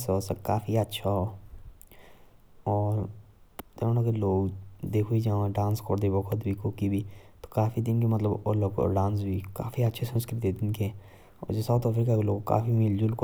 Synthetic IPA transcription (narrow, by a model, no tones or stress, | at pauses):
soːsakaːfiətːʃʰaɦoː | ɔːɾ | t̪eõːnakeloːɡd̪eːkʰuid͡ʒaãɖãːnskɔɾd̪ebɔkʰʊt̪bʱikʊkibʱit̪o̥kaːfid̪ɪnkimət̪ləbo̰ːləkɔ̰ːɾɖãːns̬bʱika̰ːfiətːʃʰesənskɾɪt̪ed̪ɪnkeɛ | ɔ̰ːɾd͡ʒesat̪ɔpʰɪɾkakeloːɡka̰ːfimɪld͡ʒʊlk